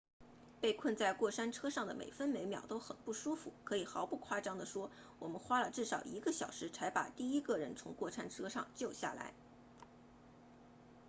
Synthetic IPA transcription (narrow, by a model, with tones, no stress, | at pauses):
pe˥˧ɪkʰwə˥˧nt͡sa˥˧ɪkwɔ˥˩ʂa˥nʈ͡ʂʰɤ˥ʂɑ˥˩ŋd̪ə˩mḛ˨˩ɪfə˥nme˧˥ɪmjɑ̰˨˩ʊt̪o˥ʊxə˨˩npu˥˩ʂu˥fṵ˨˩kʰɤ˧˥i˨˩xɑ˧˥ʊpu˥˩kʰwa˥ʈ͡ʂɑ˥˩ŋd̪ə˨ʂwɔ˥ | wɔ˨˩mə˦nxwa˥lə˨ʈ͡ʂɻ̩˥˩ʂɑ˨˩ʊi˧˥ɡə˧ɕjɑ˨˩ʊʂɻ̩˧˥t͡sʰa˧˥ɪpa̰˨˩t̪i˥˩i˥ɡə˧ɻə˧˥nt͡sʰʊ˧˥ŋkwɔ˥˩ʂa˥nʈ͡ʂʰɤ˥ʂɑ̰˥˧ŋt͡ɕjo˥˧ʊɕja̰˥˩la̰˧˥ɪ